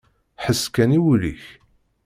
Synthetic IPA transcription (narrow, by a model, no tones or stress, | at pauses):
ħəsːkæniwlḭç